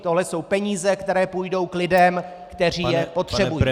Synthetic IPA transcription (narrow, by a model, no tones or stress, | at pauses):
t̪oɦlɛso̞wpɛɲiːzɛkt̪ɛɾɛːpujdo̞wklɪdɛm | kt̪ɛr̝iːjɛpo̞t̪r̥ɛbujː